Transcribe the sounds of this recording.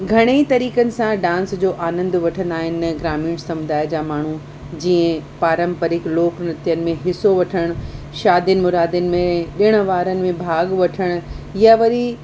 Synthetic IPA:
ɡʱɐɽ̃eit̪ɐɾiːkənɪ̆sãɖãːnsd͡ʑoːʔaːnə̃nd̪ʋɐʈʰə̃nd̪aːɦɪnɪɡɾaːmiːɽ̃sɐmʊd̪aːjd͡ʑaːmaːɳ̤u | d͡ʑiːə̃paːɾə̃mpəɾɪkloːknɐt̪jənɪ̆mẽɦɪsoʋɐʈʰəɽ̃ | ʃaːd̪jənɪ̆mʊɾaːd̪ənɪ̆mẽɗɪɽ̃ʊ̆ʋaːɾənɪ̆mẽbʱaːɡʋɐʈʰəɽ̃ɪjaʋɐɾi

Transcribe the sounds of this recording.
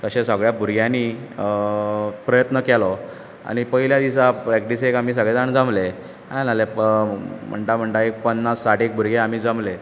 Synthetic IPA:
k̪əɕẽsəɡɭjabʱuɾɡjãni | pɾəjət̪nəkɛlɔ | a̰ñipəɦiljad̪isapɾekʈis̬eekamiːs̬əɡɭɛd͡zaɳd͡zamle | ãlale | m̤ə̰ɳʈam̤əɳʈ̪aek̚pənːasːaʈek̚bʱuɾɡeam̤iːd͡zamle

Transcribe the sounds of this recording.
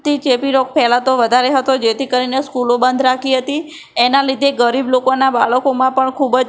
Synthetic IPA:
t̪it͡ʃepiɾok̚pɛlat̪oʋəd̪ʱaɾeɦət̪od͡ʒet̪ikəɾineskulobənd̪ʱɾakʰiɦət̪i | enalid̪ʱeɡəɾiblokonaba̰ɭəkomãpəɳkʰubd͡ʒ

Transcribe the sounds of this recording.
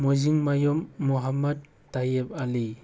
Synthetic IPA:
mojziŋmajɔmːuɦamɐt̚ːajep̚ali

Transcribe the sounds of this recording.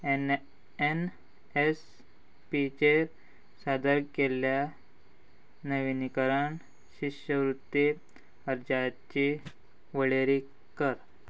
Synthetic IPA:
en | es | pit͡ɕeɾ | sad̪əɾkelja | nəʋinikəɾaɳ | ɕiɕəʋɾut̪ːe | əɾd͡ʑa | t͡ɕi | ʋəɭeɾi | kəɾ

